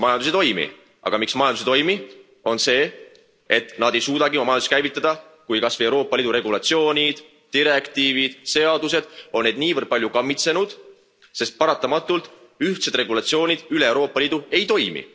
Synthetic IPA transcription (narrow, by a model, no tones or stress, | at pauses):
mɑjɑnd̪usit̪o̞jmḭ | ʔɑ̰ɡ̥ɑmiksmɑjɑnd̪usit̪o̞jmi | o̞nse̞ː | e̞t̪ːˑnɑd̪̥e̞jsuːd̪ɑɡiomɑmɑjɑnuskæjvit̪ˑːɑd̪̥ɑkujkɑsvejeɾo̞ːpːˑɑliːd̪uɾe̞ɡ̥ulɑt̪sio̞ːnʲid̪̥ | t̪ːiɾe̞kt̪iːvid̪̥se̞ɑd̪use̞d̪̥o̞nːe̞d̪niːvərd̪̥̚pɑlʲjukɑmːit̪se̞nud̪̥ | se̞st̪̚pɑɾɑt̪ːˑɑmɑt̪ːˑult̪ˑ | yht̪se̞d̪̥re̞ɡulɑt̪sio̞ːnʲid̪̥yleːwɾo̞ːpˑːɑliːd̪ue̞jt̪o̞jmḭ